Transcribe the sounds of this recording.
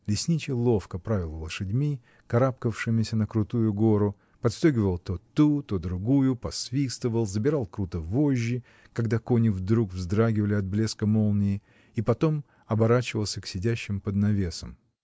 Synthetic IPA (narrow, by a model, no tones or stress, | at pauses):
lʲɪsʲnʲit͡ɕɪlˠo̞fkəpɾavʲɪlˠvəlˠʂɨdʲmʲi | kɐɾapkəfʂɨmʲɪsʲənəkɾʊt̪ujʊɡo̞ɾʊ | pɐt̪st̪ojɡʲɪvəlˠt̪ot̪ːut̪o̞d̪ɾʊɡujʊpɐsvʲist̪əvəlˠzəbʲɪɾɑlˠkɾut̪əvo̞ʑʲːɪ | kɐɡd̪ako̞nʲɪvd̪ɾukvzd̪ɾaɡʲɪvəlʲɪɐd̪̚blʲe̞skəmo̞lˠnʲɪjɪ | ipɐt̪o̞m | ɐbɐɾat͡ɕɪvəlˠsʲəksʲɪdʲæɕːɪmpəd̪nɐvʲe̞səm